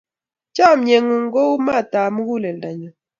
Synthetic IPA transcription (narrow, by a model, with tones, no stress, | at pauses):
t͡ʃa˦˨m̩˨ɲe˨ŋu˨ŋ˦ɡo˦u˦ma˦˨ta˨mu˦ɡu˦le˨n˨da˨ɲɔ˨